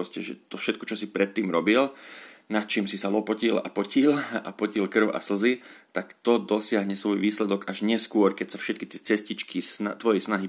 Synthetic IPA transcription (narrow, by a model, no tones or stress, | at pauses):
ɔscɛʒɛ̰t̪ɔfʃɛt̪̚kɔt͡ʃɔsipɾɛt̪ːiːmɾɔbilnat̪̚t͡ʃiːmsisalɔpɔcila̰pɔcila̰pɔcilkr̩ʊʔa̰sl̩zit̪akt̪ɔd̪ɔsɪaɦɲɛsʋɔjʋiːslɛd̪ɔɡaʒɲɪɛskʊɔɾkɛcsafʃɛt̪̚kit̪ɪɛt͡sɛscit͡ʃkʰisnat̪ʋɔjɛsnaɦi